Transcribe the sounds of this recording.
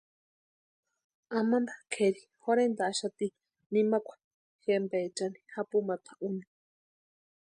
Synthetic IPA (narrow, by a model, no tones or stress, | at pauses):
amanɾakʰeɾi | xoɾend̪aːʃat̪i | nimakʷʰḁ | xembeːt͡ʃani̥hapumat̪ʰḁʔuni̥